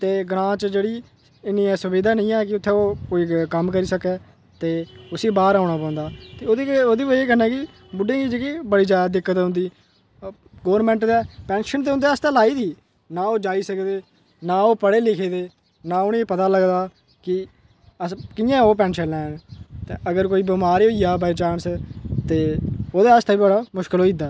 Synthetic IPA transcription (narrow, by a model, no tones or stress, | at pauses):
t̪eːɡɾãːt͡ʃd͡ʒeːɽiː | ɪnĩːɛːsʊbiːd̪aːnĩːɛ̃ːkɪʊt̪ʰːeːoːkoːiːkəmkəɾiːsəkɛː | t̪eːʊsiːbaːɾaːʊɳaːpãːnd̪aːt̪eːoːd̪eːoːd̪iːʋəeːkənɛ̃ːkɪ | bʊɖẽːɡiːd͡ʒekiːbəɽiːzjaːd̪aːd̪ɪkːət̪ɦʊ̃nd̪iː | ɡoːʋəɾmɛ̃ːɳʈd̪ɛːpɛ̃ːnʃənt̪eːʊ̃nd̪ɛːəst̪ãːlaːiːd̪iː | naːoːd͡ʒaːiːsəkd̪eː | naːoːpəɽeːlɪkʰeːd̪eː | nãːʊnĩːpət̪aːləɡd̪aː | kɪ | əkɪjãːoːp̬ɛ̃ːnʃənlɛːnt̪eʔəɡəɾkoːiːbəmaːɾiːoːijaːbat͡ʃaːnst̪eːoːd̪eːəst̪ʰaːiːbəɽaːmʊʃkəloːid̪aː